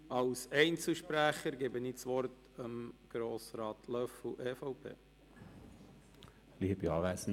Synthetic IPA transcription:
ɑwsɛɪnt͡sl̩ʃpɾæχəɾɡebəniːt͡sʋɔrt | əmɡ̥ɾoːsɾɑːt̪ʰlœfʔɛːfɑʊpʰḛː | liːəbiɑːʋæsn̩

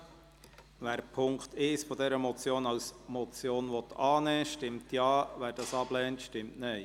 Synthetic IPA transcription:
ʋæːɾpʰʊŋkt̪ɪsfɔd̪ɛɾəmɔt͡sjoːnɑwsmɔt͡sjoːnʋɔt̪ʰːɑːnɛːʃtɪmtjɑːʋæːɾd̥ɑːsɑb̥lɛːntʃtɪmtnɛɪ

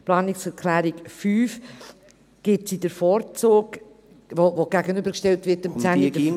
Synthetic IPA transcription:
plɑːnɪksɛɾkʰlæːɾikfyːf | ɡ̥ɪtsidəɾfɔːɾt͡soːk | ʋovoɡ̥æɡənʏbəɾkʃtɛltʋɪtɪmt͡sænidə

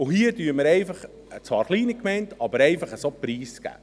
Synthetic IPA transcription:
ʊhiədyːɾməɾɛɪfɑχ | ət͡sʋɑːɾχliːnikmɛɪntɑbəɾɛɪfɑχəsopɾiːsɡ̥æ̰ː

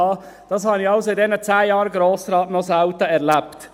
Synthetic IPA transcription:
ɑː | d̥ɑs̬hɑnɪɑʊsoɪdɛnət͡sæːjɑːɾɡɾoːsɾɑːtnɔsaʊt̪əɛɾlæpt

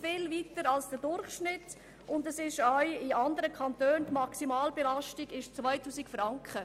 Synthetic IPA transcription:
fɪlvitəɾɑlsd̥ədʊɾχʃnɪt | ʊndəsɪʃaɪɪɑndəɾəkʰχɑntøːntmɑksimɑːlbɛlɑʃtiɡɪʃt͡svaɪtuːsikfrɑŋkχə

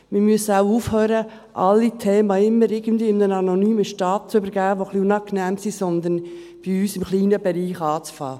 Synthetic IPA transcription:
mɪɾmyəsəaʊuːfhøːɾə | ʔɑlːit̪ʰeːmɑɪmːəɾɪɡ̥ənd̪ʋiːɪmnənɑnonyːməʃtɑːt̚t͡søbəɾɡ̥æːəʋoχliunɑknɛːmsisɔnd̪ən | b̥iyːsɪmχliːnəbɛɾiːχɑːt͡sfɑ̰ː

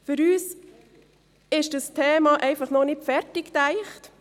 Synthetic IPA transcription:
fʏɾyːs | ɪʃd̥əstʰeːmɑʔɛɪfɑχnɔnɪtfɛɾtɪktæɪχt

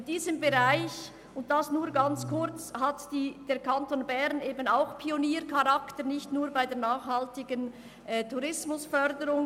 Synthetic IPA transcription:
ɪnd̥iːzəmbeʁaɪç | ʊnt̚d̥asnuːɾɡant͡skʊɾt͡shatd̥iːd̥eːɾkʰantoːnbɛʁneːbənaʊxpʰioniːɾkʰaʁaktənɪçtnuːɾbaɪdeːɐnaːxhaltɪɡən | ʔɛːtʰuɾɪsmʊsfœɾdəɾʊŋ

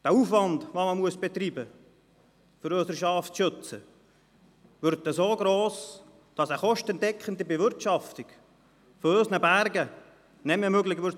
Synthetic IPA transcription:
d̥æːuːfʋɑndʋoməmuəsb̥et̪ribə | føɾøsəɾʃɑftʃøt͡sə | ʋʏɾtːəsoːɡɾoːs | d̥ɑsəχɔʃtɛntɛkχəndibevʏɾtʃɑft̪ik | fɔøːsnəbæɾɡə | nɛmemøɡlɪɡʋʏɾ

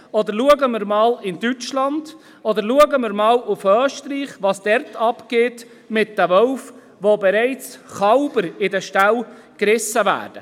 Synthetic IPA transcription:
ɔd̪əɾluəɡəmɪɾmɑːlɪndyt͡ʃlɑnd̥ | ɔd̪əɾluəɡəmɪɾmɑːluføːʃtɾiːχʋɑːsd̥ɛɾtɑpɡ̥eːt | mɪtdəvɔʊf | ʋobɛɾæɪt͡sχɑʊbəɾɪdɛʃtæl | kɾɪsːəvæ̰ːrd̥ə

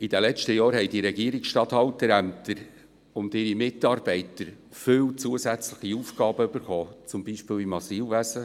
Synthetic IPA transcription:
id̥̪ɛlɛt͡ʃtəjɑːɾɦɛɪd̥iɾɛɡiəɾiksʃtɑt̪hɑltəɾæmt̪ʰəɾ | ʊntɪɾimɪtːɑːɾb̥ɛɪtəɾ | fʏwt͡suəsæt͡sləχiufɡ̥ɑːbəybəɾχɔːt͡sʊmbiʃpɪːlimɑsiːlʋæsə

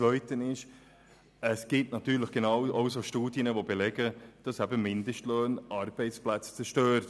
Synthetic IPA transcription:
vœʏtənɪʃ | əsɡ̥ɪtnɑtyːɾləχɡ̥enɑʊɑʊsoʃtuːd̥jənəvobelɛɡəd̥ɑsæbəmɪndəʃtløːnɑɾb̥ɛɪt͡splæt͡st͡sɛɾʃtøːɾt

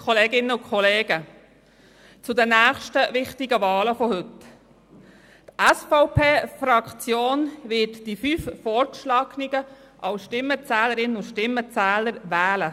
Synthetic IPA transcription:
kʰɔleːɡɪnːəʊkʰχɔleːɡə | t͡sʊdənæːχʃtəvɪχtɪɡəvɑːləfɔhʏt | t̪æsfɔʊpʰeːfɾɑkt͡sjoːnʋɪtd̥ifyːffɔɾtʃlɑːkniɡə | ʔɑwʃtɪmːət͡sæːləɾɪnəʊʃtɪmːət͡sæːləɾvæːlə

